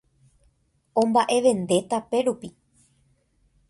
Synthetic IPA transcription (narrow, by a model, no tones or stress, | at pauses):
õ̞mbaʔe̞ʋẽ̞nd̪e̞t̪ape̞ɾupi